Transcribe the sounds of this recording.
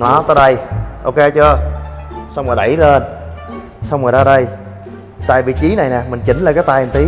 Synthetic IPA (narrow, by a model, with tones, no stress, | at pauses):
nɔ˨˦t̪əː˨˦ɗə˧jʔo˧wke˧t͡ɕɨ˧ə | sa˧wŋ͡məː˨˩jɗa̰˧˩jle˧n | sa˧wŋ͡mməː˨˩jzaː˧ɗə˧j | t̪a̰ː˨˩jɓḭ˧˨t͡ɕi˨˦na˨˩jnɛ˨˩mï˨˩ŋ̟t͡ɕï˨˦ŋ̟laː˨˩kaː˨˦jt̪aː˧˨ʔnt̪i˨˦